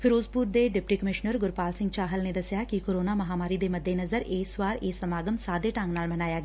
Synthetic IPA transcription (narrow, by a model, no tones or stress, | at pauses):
pʰɪɾoːzpuːɾd̪eːɖɪpʈikəmɪʃnəɾɡʊɾpaːlsɪ̃ŋɡ̚t͡ʃaːɦəlneːd̪ɐsɪjaːkikoːɾoːnaːmɐɦaːmaːɾid̪eːmɐd̪ʱːenɐzəɾeːswaːɾeːsɐmaːɡəmsaːd̪eʈãːŋɡnaːlmɐnaːjaːɡɛ